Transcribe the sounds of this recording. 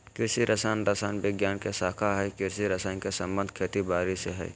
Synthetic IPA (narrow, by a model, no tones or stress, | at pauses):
kɪɾsiɾʔəsaːnɾəsaːnbɪɡjaːnkesaːkʰaɦɛkɪɾsiɾəsaːnkesə̃mbə̃nd̪ʱkʰet̪ibaːɾiseɦɛ̰ː